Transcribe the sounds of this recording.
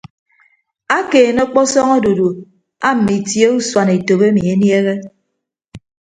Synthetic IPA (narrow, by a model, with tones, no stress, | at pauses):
a˦keː˨nɔ˦k͡pɔ˦sɔ˦ŋɔ˦do˨du˨ | a˦m̩˨mi˨tje˦u˦swa˨ne˨to˨be˦mi˨e˦nje˦ɣe˦